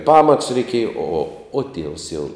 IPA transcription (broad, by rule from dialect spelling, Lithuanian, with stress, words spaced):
pɐmɐtʊs rʲɛɪˈkʲiɛjɛ oː oː oː tʲiɛws jɛʊ